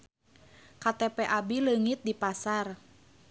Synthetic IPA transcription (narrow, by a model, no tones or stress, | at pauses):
kat̪ɛpɛʔabiləŋit̪̚dipasar